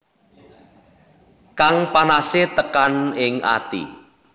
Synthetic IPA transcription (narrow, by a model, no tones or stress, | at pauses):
kaŋpanaset̪əkanɪŋa̰t̪ḭ